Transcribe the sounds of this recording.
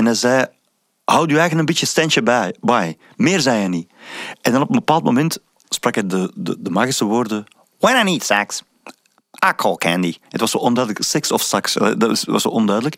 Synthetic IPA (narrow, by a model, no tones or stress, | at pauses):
ɛnɛjzɛj | hawdyːɛːɣənənbitjəstɛnt͡ʃəbɛjbaj | mɪːrzɛjɛniɛndɑnɔpənbəpaːlˠtmo̰mɛnt | sprɑkɛdədədəmaːɣisəʋoːrdə | wɛ̃najniːtsæks | ʔakʰɔlˠkʰæ̰̃ndiətʋɑsoːʔɔndœːdələksɪksɔfsaksɪsʋɑso̰ːʔɔndœːɥdələk